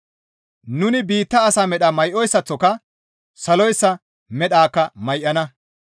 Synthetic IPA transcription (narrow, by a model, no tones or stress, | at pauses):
nʊnɪbiːt̪ːɐːsaːmɛɗɐmɐjʔɔjsːɐt͡sːɔkɐ | sɐlɔjsːɐ | mɛɗaːkːɐmɐjʔːɐnɐ